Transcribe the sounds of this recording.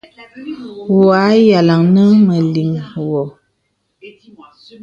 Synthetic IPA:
wwa˨˦ja˨la˨ŋnə˦mə˨li˨mwɔ˨

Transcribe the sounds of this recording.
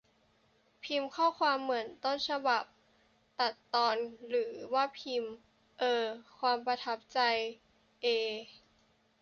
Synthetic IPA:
pʰi˧mkʰɔː˥˩kʰwaː˧mːɯ˩˦ənt̪ɔː˥˩˨nsʰa˧ba˨˩p̚ | t̪a˨˩t̪ːɔː˧nɾɯː˩˦waː˥˩pʰi˧m | ʔɤː˧kʰwaː˧mpa˧t̪ʰa˦˥p̚t͡ɕa˧j | ʔeː˧

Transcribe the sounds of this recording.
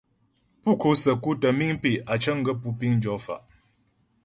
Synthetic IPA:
pu˦˨kʰo˨˦sə˨ku˦tə˨mi˦ŋpi˨ʔa˨t͡ʃə˦ŋ̩˦ɡə˦pu˦pi˦ŋn˦d͡ʒɔ˨˦fa̰˨ʔ

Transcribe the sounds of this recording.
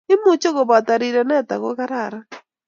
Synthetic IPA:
ɪ˦mʊ˨t͡ʃo˦ɣo˨ba˨t̪a˨ɾi˨ɾɛ˨nɛ˦˨t̪a̰˨ɣo˦ka˦ɾa˨ɾa˦

